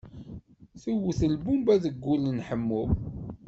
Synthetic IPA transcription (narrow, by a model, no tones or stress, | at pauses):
θuwθəlbumbæðəɡːulənħəmːʊ